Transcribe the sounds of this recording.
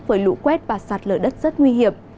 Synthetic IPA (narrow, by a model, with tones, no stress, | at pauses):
vəː˨˦jlṵ˧˥kwɛ˦˥t̚vaː˨˩saː˨˩t̚ləː˨˩jɗə˦˥t̚z̥ə˦˥t̚ŋwi˧ɦi˨˩əm